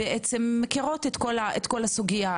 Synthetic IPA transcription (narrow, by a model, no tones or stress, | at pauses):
eʔet͡semːekiʁo̞t̪et̪ko̞laʔet̪ko̞lasuɡija